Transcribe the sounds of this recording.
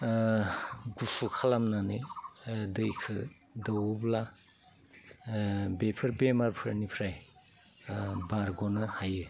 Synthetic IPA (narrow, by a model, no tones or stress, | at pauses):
ɡusukʰalamnanɯjdɯjkʰɯ | dɔwbla | bepʰɯɾbemaɾpʰɯɾnipʰɾaj | baɾɡɔnɯhajɯ